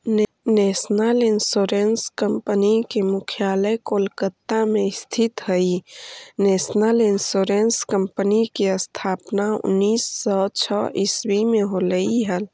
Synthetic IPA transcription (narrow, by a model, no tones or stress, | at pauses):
neːsnalɪnsoːɾenskəmpənikemʊkʰjaːləjkoːlkət̪ːamẽɪst̪ʰɪt̪ɦəineːsnalɪnsoːɾenskəmpənikiəst̪ʰaːpnaʊ̰nːiːsːɔt͡ʃʰɔʔiswimẽɦoːləiɦəl